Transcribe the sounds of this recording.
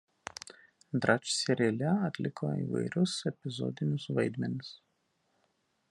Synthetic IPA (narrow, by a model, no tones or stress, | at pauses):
d̪ɾɐt͡ʃsʲɛɾʲelʲɛɐt̪ʲlʲɪkʰo̰ːḭːʋɐ̰ɪɾʲʊsɛpʲɪzɔ̰d̪ʲɪnʲʊsʋɐɪd̪ʲmʲɛnʲɪs